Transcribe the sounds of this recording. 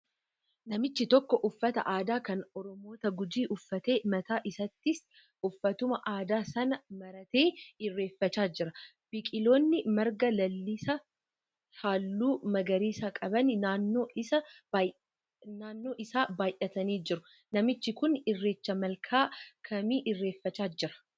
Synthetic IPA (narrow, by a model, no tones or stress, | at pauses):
nɐmɪt͡ʃːɪt̪ɔkːɔʔʊfːɐt̪ɐ̰ʔaːd̪aːkɐnɔɾɔmo̞ːt̪ɐɡʊd͡ʒiːʔʊfːɐt̪e̞ːmɐt̪aːʔɪsɐt̪ːɪs | ʊfːɐt̪ʊmɐʔaːd̪aːsɐnɐmɐɾɐt̪e̞ːɪrːe̞ːfːɐt͡ʃaːd͡ʒɪɾɐ | b̥ɪkʼɪloːnːɪmɐɾɡɐlɐlːɪsɐ | haːlːuːmɐɡɐɾiːsɐkʼɐbɐnɪnaːnːo̞ːʔɪsɐ | naːnːo̞ːʔɪsaːbaːjʔɐt̪ɐniːd͡ʒɪɾʊ | nɐmɪt͡ʃːɪkʊnɪrːe̞ːt͡ʃːɐmɐlkʰaːkʰɐmiːʔɪrːe̞ːfːɐt͡ʃaːd͡ʒɪɾɐ̥